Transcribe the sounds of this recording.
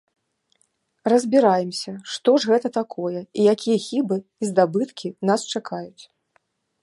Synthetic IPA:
rɐzʲbʲiɾajɛmsʲɐʂt̪ɔʐɣɛt̪ɐt̪akʰɔjɛijakʲijɛxʲibɨizd̪abɨt̪kʲʰinast͡ʂakʰajut͡sʲ

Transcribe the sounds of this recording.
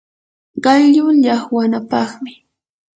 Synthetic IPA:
ɢɑjʎʊʎɑχwanapɑχmɪ

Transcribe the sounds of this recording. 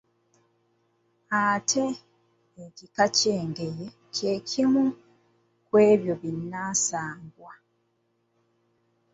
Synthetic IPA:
atʰe̞ː | cikaceːŋɡe̞je | ce̞ːcʰimu | kwe̞ːβjo̞βinːaːsaːŋɡwa

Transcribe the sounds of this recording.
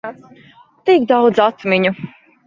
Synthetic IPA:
t̪ikd̪awd̪zat̪miɲu

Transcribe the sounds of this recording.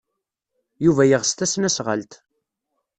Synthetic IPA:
juvæjəʁst̪æsnæsʁə̰lt̪

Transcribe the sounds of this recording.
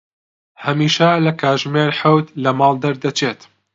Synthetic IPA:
hɐmiːʃɐlɐkʰaːʒmeːɾħawt̪lɐmɑːlˠd̪ɐɾd̪ɐt͡ʃʰeːt̪

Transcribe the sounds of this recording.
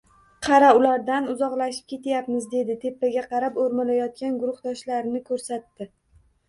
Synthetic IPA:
qʰɑɾaʊlaɾd̪anʊzɒqlaʃɪ̥p̚kʲe̞t̪ʰajapmɪzd̪e̞d̪ɪt̪ʰe̞pːaɡʲaqʰɑɾapoɾmalajɒt̪̚kʲanɡʊɾʊχd̪ɒʃlaɾɪnɪkʰɵɾsat̪ːɪ

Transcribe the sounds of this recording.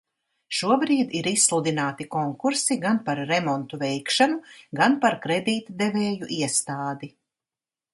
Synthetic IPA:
ʃuɔbɾiːd̪iɾisslˠud̪inaːt̪ikɔŋkuɾsiɡanpaɾːemɔnt̪uvɛjkʃanuɡanpaɾkɾed̪iːt̪d̪evɛːjuʔiɛst̪aːd̪i

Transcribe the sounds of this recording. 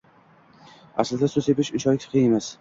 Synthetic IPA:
a̰slɪd̪asʊsepɪʃɪʃɒkʲqʰiemas

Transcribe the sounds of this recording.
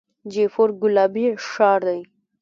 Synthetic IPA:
d͡ʒefoɾɡʊlɑbiʂɑːɾd̪aj

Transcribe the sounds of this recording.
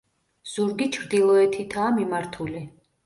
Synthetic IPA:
z̥uɾɡit͡ʃʰɾd̪ilˠɔɛt̪ʰit̪ʰaːmimaɾt̪ʰuli

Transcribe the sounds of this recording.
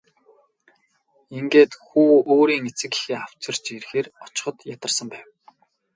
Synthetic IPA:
iŋɡeːt̪xuːoːɾiːŋet͡sɘ̆ki̥xeːaw̥t͡ɕɪ̆r̥t͡ɕirxeːrɔt͡ɕɪ̥̆χɞ̆t̪jat̪ə̆rsə̆mpæːw

